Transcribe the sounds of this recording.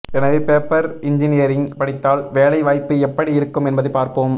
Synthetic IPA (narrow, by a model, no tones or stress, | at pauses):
ɛnɐʋepeːpːɐɾɪɲd͡ʒɪnɪjɐɾɪŋpɐɽɪt̪ːaːlʋeːlɐɪʋaːjpːɯɛpːɐɽiɪɾɯkːɯmɛnbɐðɯpaːɾpoːm